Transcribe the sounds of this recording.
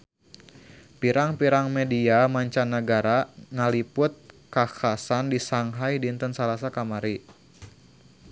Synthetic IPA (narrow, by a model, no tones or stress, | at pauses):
piɾaŋpiɾaŋmediamaɲt͡ʃanːəɡaɾaŋalipʊt̪̚kakasandisaŋɦajdint̪ənsalasakamaɾi